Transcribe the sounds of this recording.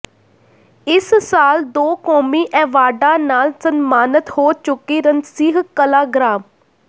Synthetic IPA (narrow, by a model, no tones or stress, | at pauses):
ɪssaːld̪oːkoːmiːʔɛːʋaːɖãːnaːlsənmaːnət̪hoːt͡ʃʊkiːɾənsiːɦkəlaːɡɾaːm